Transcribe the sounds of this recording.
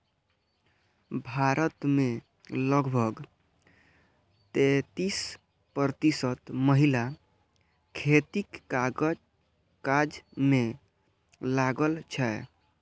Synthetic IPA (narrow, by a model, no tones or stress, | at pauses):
bʱaɾət̪me | ləɡbʱəɡ | t̪et̪is | pɾət̪isət̪məɦila | kʰet̪ikːa | kad͡ʒme | laɡəlt͡ʃʰɛ